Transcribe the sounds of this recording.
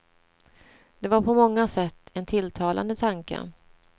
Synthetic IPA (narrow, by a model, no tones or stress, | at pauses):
d̪̥ɛvaɾpʰɔmɔŋːasɛt̪ːɛnt̪ʰɪlːt̪ʰɑːlʔa̰nd̪ət̪ʰaŋkə̰